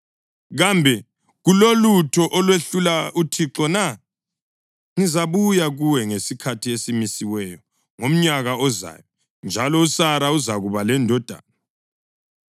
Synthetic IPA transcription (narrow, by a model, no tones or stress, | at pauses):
ɣambʱɛ | ɣulolutʰɔʔɔlweɬulautʰiǁɔna | ŋizaβujaɣuwɛŋesikʰatʰiesimisiwɛjɔ | ŋom̩ɲaɣaɔza̰ːjɔ | nd͡ʒʱalɔusaɾauzaɣuβalɛndʱɔd̥ʱa̰ːna